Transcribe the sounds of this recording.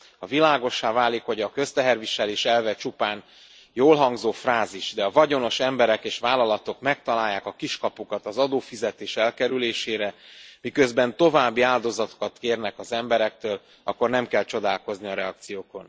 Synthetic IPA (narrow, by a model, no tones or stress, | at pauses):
hɒvilaːɡo̞ʃːaːvaːlikho̞ɟɒkø̞st̪ɛɦɛrviʃɛleːʃɛlvɛt͡ʃupaːn | joːlɦɒŋɡzoːfraːziʒd̪ɛɒvɒɟo̞no̞ʃɛmbɛɾɛkeːʃʋaːlɒlɒt̪o̞kmɛk̚t̪ɒlaːjːaːkɒkiʃkɒpukɒt̪ɒzɒd̪oːfizɛt̪eːʃɛlkɛɾyleːʃeːɾɛmikøzbɛnt̪o̞vaːbːiaːld̪o̞zɒt̪o̥kɒt̪keːrnɛkɒzɛmbɛɾɛk̚t̪øːl | ɒ̰kːo̞rnɛmkɛlt͡ʃo̞d̪aːlko̞zniɒɾɛɒk̚t̪sijoːko̞n